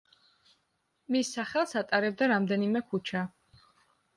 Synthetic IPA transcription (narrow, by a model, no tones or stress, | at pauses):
misːaχɛlˠsat̪ʼaɾɛb̚d̪aɾamd̪ɛnimɛkʰut͡ʃʰa